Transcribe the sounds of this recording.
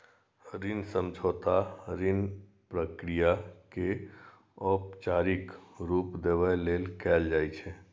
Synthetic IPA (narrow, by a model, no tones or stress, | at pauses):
ɾinsə̃md͡ʒʱɔt̪aɾin | pɾəkɾijake | ɔpt͡ʃaɾikɾupd̪eʋəlelkɛld͡ʒajt͡ʃʰɛ